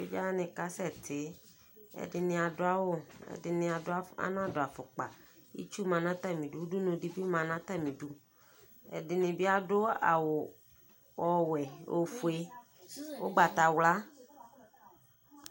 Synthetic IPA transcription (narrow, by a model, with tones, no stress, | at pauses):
e˦d͡ʒa˦nɪ̃˨ka˦sɛ˦t̪ʰɪ˨˦ | ɛ̰˨dɪ˨nɪ̃˨a˨dʊ˦a˦wo˦ɛ̰˨dɪ˨nɪ̃˨a˨dʊ˦a˦a̰˦nã˦dʊ˨a˨fʊ˨k͡pa˨ | ḭ˦t͡ʃu˦mã˨nã˦t̪a˦˨mĩ˨du˦wu˦du˦nõ˨di˦bi˦mã˨nã˦t̪a˦˨mĩ˨du˦ | ɛ̰˨dɪ˨nɪ̃˨bi˦a˦dʊ˦a̰˨wʊ˨ | ɔ˨wɛ˨o˨fu˨e˦ | wo˦ɡ͡ba˨t̪a˨wla˦